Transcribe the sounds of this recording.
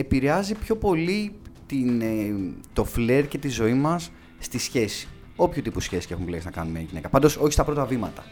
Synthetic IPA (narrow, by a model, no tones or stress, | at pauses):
e̞piɾe̞ɐzipço̞po̞lit̪in | t̪o̞fle̞ɾce̞t̪izo̞imɐsː | t̪isçe̞si̥ | o̞pçut̪ipusçe̞si̥se̞xumleksinɐkɐnumeɐ̰ɲʝine̞kɐpɐnd̪o̞so̞çistɐpɾo̞t̪ɐvimɐt̪ɐ